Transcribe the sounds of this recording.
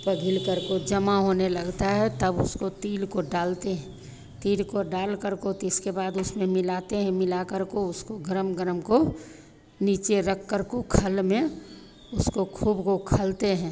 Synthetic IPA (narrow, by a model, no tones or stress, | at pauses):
pəɡʱɪlkəɾkod͡ʒəmaɦoːneləɡt̪aɦɛt̪əbʊ̰skot̪iːlkoɖaːlt̪eɦɛ̃ | t̪iːlkoɖaːlkəɾkot̪ɪskebaːd̪ʊsmẽmɪlaːt̪eɦɛ̃mɪlakəɾkoʊskoɡəɾəmɡəɾəmko | niːt͡ʃeɾəkːəɾkokʰəlmẽ | ʊskokʰuːbkokʰəlt̪eɦɛ̃ː